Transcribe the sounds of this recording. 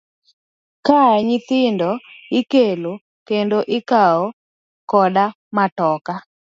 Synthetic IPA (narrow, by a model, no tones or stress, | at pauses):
kaɛɲɪt̪ɪndɔɪkelo | kendoʔɪkaɔ | kɔda | matɔka